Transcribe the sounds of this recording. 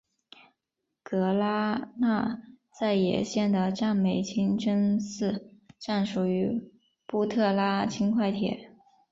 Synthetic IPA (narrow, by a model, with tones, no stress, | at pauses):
kɤ˧˥la˥na˥˧ | t͡sa˥˩ɪjɛ̰˨˩ɕjɛ˥˩nd̪ə˩ʈ͡ʂa˥˩nme˨˩ɪt͡ɕʰi˥ŋʈ͡ʂə˥nsɹ̩˥˧ʈ͡ʂa˥˩nʂu˨˩y˧˥ | pu˥˧t̪ʰɤ˥˩la˥t͡ɕʰi˥nkʰwa˥˩ɪt̪ʰjɛ̰˨˩˦